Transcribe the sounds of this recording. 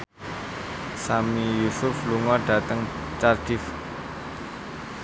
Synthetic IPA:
samijusʊfluŋɔɖ̥ä̤t̪əŋt͡ʃard̥ɪf

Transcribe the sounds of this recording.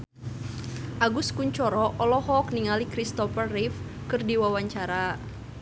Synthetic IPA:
ʔaɡuskuɲt͡ʃɔɾɔʔɔlɔhɔk̚niŋalikɾist̪ɔfərːifkɨrdiwawaɲt͡ʃaɾa

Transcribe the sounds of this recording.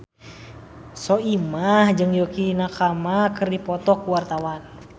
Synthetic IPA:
sɔimahd͡ʒɨŋjokinakamakɨrdipɔt̪ɔkːuwart̪awan

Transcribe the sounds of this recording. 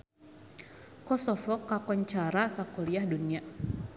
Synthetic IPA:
kɔsɔfɔkakɔɲt͡ʃaɾasakɔɾiahdunia

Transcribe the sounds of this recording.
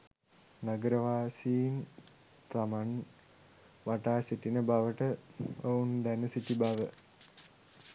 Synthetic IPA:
naɡəɾəʋaːsiːn | t̪aman | ʋaʈaːsiʈinəbaʋəʈəound̪ænəsiʈibaʋə

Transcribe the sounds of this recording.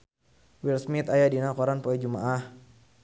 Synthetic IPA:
wilsmit̪ajadinakɔɾanpoɛd͡ʒuma̰ʔah

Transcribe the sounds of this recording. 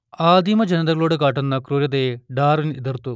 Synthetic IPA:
aːd̪imɐd͡ʒɐnɐd̪ɐloːɽukaːʈɐnːɐkɾuːɾjɐd̪eːɖaːɾniid̪ɐɾt̪u

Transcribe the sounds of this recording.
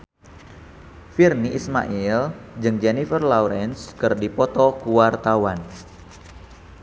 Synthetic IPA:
firniʔisma̰ʔild͡ʒɨŋd͡ʒɛnifərlauɾɛnskɨrdipɔt̪ɔkuwart̪awan

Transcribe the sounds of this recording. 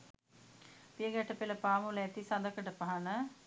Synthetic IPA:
pijəɡæʈəpeləpaːmuləæt̪isɐd̪əkəʈəpaɦanə

